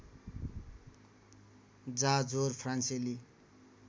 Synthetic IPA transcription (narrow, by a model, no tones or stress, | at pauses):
d͡zad͡zorpʰranseli